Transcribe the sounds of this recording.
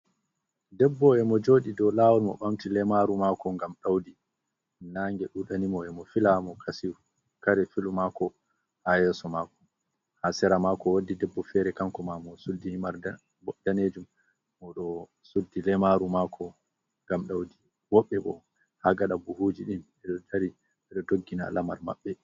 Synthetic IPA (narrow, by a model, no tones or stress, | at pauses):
dɛbːɔɛmɔd͡ʒoːɗidɔlaːwɔlmɔ̰ɓamtilɛmaɾumakɔŋɡamɗawdi | naːŋɡɛɗuɗanimɔɛmɔfilamɔkʰasiw | kaɾɛfilumakɔ | hajɛsɔmaːkɔ̥ | hasɛɾamakɔwadːidɛbːɔfɛɾɛkaŋkɔmamɔsudːihimaɾ | bɔdaneːd͡ʒum | mɔɗɔ | sudːilɛmaɾumakʰɔ | ŋɡamɗawdi | wɔɓːɛbɔ̰ | haɡaɗabuhud͡ʒiɗim | ɛɗɔdaɾi | ɛɗɔdoɡːina̰lama̰ɾma̰ɓːɛ